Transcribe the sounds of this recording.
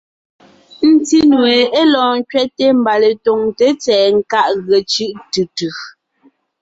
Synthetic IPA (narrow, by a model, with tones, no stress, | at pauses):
n̩˨ti˦nwe˨e˦lɔ̃ː˨ŋ̩˦kɥɛ˦tːe˦m̩˨ba˨le˨to˨ŋte˨˦t͡sɛː˨ŋ̩˦˨ka˦ʔɣe˨t͡ʃɯ˦ʔtɯ˨tɯ˨